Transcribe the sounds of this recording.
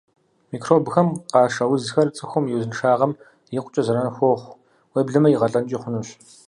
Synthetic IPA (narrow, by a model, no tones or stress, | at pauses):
miːkʰroːbxɐmqɑːʂɐwʊzxɐrt͡sʼɨxʷʊmjiwzɨnɨʂaːʁɐm | jɪqʷʼt͡ʃʼɐzɐɾɐnxʷoːχʷ | weːbɮɨmɐjɪʁɐɬʼɐnt͡ʃʼiːχʷʊnuɕ